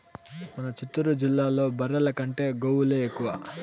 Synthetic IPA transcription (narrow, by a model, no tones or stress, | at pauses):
mɐnɐt͡ʃit̪ːuɾud͡ʒilːaːlo̞ːbɐɾːɐlɐkɐɳʈe̞ːɡoːwuleːekːuʋaː